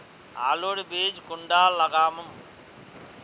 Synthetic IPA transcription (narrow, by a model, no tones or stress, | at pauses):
a̰ːloːɽibiːd͡ʒkuɳɖaːlɐɡaːmɐm